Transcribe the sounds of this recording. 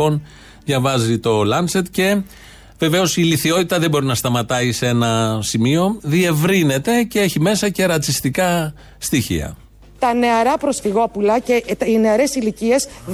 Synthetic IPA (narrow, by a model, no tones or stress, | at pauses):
o̞n | ðʝɐvɐzit̪o̞lɐnse̞t̪ce̞ | ve̞ve̞o̞siliθio̞t̪it̪ɐðe̞bo̞ɾinɐst̪ɐmɐt̪ɐise̞nɐsimio̞ðie̞vɾine̞t̪e̞ce̞e̞çime̞sɐce̞ɾɐt͡sist̪ikɐ | st̪içḭɐ̰ | t̪ɐne̞ɐɾɐpɾo̞sfiɣoɐpulɐceine̞ɐɾe̞silicie̞s